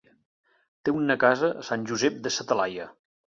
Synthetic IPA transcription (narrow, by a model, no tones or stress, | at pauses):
t̪eunəkazəsanʲʒuzɛp̚d̪əsət̪əlajə